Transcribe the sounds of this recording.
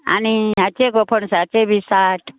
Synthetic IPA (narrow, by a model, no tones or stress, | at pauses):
a̰niat͡ʃeɡopʰənseat͡ʃebʱisaʈʰ